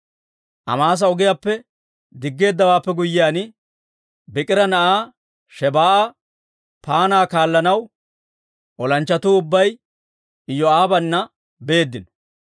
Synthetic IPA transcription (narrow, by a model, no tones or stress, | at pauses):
ʔɐ̰maːs̬ɐɔɡɪjaːpːɛ | d̪ɪɡːe̞ːd̪ːɐwaːpːɛɡʊjːɪjaːnɪ | bɪkʼɪɾɐnɐʔaː | ʃɛbaːʔa | paːnaːkaːlːɐnɐw | ʔɔlɐnt͡ʃːɐt̪uːʊbːɐj | ɪjːɔaːbɐnːɐ | be̞ːd̪ːɪnɔ̥